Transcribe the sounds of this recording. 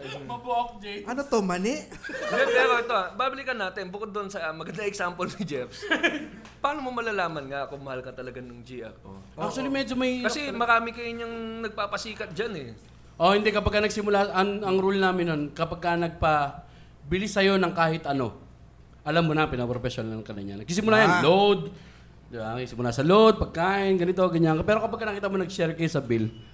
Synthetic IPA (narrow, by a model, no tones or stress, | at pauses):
mɐboʔok̚d͡ʒɛɐnot̪omɐnɛʔd͡ʒɛpɛːɾoɛt̪oabaːbɐlikɐnaːt̪ɪnbʊkod̪ːonsɐmɐɡɐnd̪ɐɛksampolsɪd͡ʒɛfs | paːnomomɐlalaːmɐnŋaɐkomɐhalkɐt̪ɐlɐɡanʊŋd͡ʒiʔɐ̰k̚oʔak̚t͡ʃuɐlimɛd͡ʒomɐikɐsɛmɐɾaːmɪkɐjɪɲoŋnɐɡ̚papɐsiːkɐt̪̚d͡ʒanɛ | ʔohɪnd̪ɛkɐpɐɡ̚kanɐɡsɪmʊlaʔɐŋɐŋɾolnaːmɪnːonkɐpɐɡ̚kanɐɡ̚pɐ | bɪlɪsɐjo̞nɐŋkaːhɪt̪ʔɐno̞̰ | ʔɐlamːonapɪnɐpɾopɛsjonalŋkɐnɐɲa̰nɐɡkɪsɪmʊlaːjɐnlod̪̚ | d̪ɪbakɪsɪmʊlasɐlod̪̚pɐɡ̚kaːʔɪnɡɐnɪt̪o̞ɡɐɲːaŋkɐpɛːɾokɐpɐɡkːɐnɐkiːt̪ɐmonɐɡ̚sɛɾkɐjosɐbil